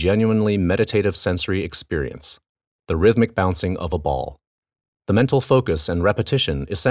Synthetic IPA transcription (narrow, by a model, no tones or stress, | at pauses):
d͡ʒɛ̃njʉə̃nlimɛɾɨtʰeɪɾɨv̥sɛ̃nsə˞iɨkspɪɹḭɨ̰̃ns | ðɨɹɪðmɨk̚b̥ãʊ̃nsɪ̃ŋʌ̰vəbɔ̰lˠ | ðəmɛ̃ntʰˡl̩ˠfoʊkɨsɨ̃nɹɛpɨtʰɪʃɨ̃nɨz̥sɛ̃